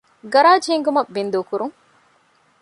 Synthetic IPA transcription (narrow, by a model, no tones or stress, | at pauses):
ɡɐɾaːd͡ʒeŋɡumɐbind̪oːkuɾuŋ